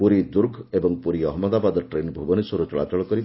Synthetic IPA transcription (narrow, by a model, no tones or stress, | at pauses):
puɾid̪uɾkʰebɔŋpuɾiɔɦmɔd̪abad̪ɔʈɾenbʱubɔnisɔɾut͡ʃɔɭat͡ʃɔɭɔkɔɾi